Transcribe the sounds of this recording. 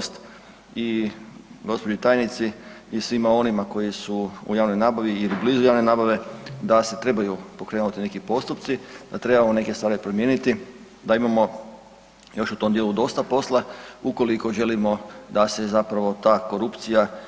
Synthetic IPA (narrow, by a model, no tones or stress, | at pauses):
st̪ | i | ɡo̞spo̞d͡ʒit̪aːjnit̪siisʋimao̞nimako̞jisuṵjaːʋno̞jnaːbaʋiilibliːzujaːʋne̞naːbaʋe̞d̪ase̞t̪ɾe̞bajupo̞kɾenut̪ine̞kipo̞st̪up̪̚sid̪̥at̪ɾe̞bamone̞kest̪ʋaːɾipɾo̞mje̞ːnit̪i | d̪aimamo̞ | jo̞ʃut̪o̞md̪jelud̪o̞st̪apo̞slˠauko̞liko̞ʒe̞limo̞d̪ase̞zapɾaʋo̞t̪aːko̞ɾupt̪sija